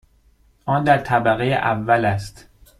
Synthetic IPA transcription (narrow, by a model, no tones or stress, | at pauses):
ʔɒːnd̪æɾt̪ʰæbæɣejḛʔævːælæst̪